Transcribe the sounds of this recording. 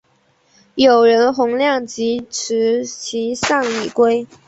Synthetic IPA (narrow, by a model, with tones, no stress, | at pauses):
jo˨˩ʊɻə˧˥nxʊ˧˥ŋljɑ˥˩ŋt͡ɕi˧˥ʈ͡ʂʰɻ̩˧˥t͡ɕʰi˧˥sɑ˥˩ŋi˨˩kwe˥ɪ